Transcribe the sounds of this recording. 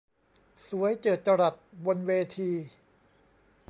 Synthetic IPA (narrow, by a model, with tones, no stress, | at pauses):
su˨˩˦əjt͡ɕɤː˨˩t̪̚t͡ɕa˧ɾa˨˩t̪̚wo˧nweː˧t̪ʰiː˧